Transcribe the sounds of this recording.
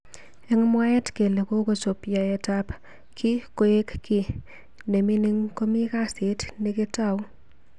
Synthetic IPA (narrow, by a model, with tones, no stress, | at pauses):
e˦ŋmwa˦jɛ˦tke˨le˨ko˦ko˨so˨pja˨etap | kʰi˦ko˦e˦kki˨ | ne˨mi˦ni˦ŋko˦mi˦ka˦se˨tniketa˦˨w